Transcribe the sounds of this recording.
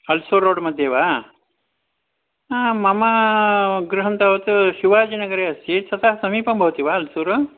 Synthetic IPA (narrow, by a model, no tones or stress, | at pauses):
ɐlsuɾːoːɽmɐd̪ʱjeʋaː | mɐmɐ | ɡɾɨɦɐnt̪aʋɐt̪ʃiʋaːd͡ʒinɐɡɐɾeːɐst̪it͡ʃʰɐt̪aɦsɐmiːpɐmbʱɐʋut̪iʋaːɐlsuːɾ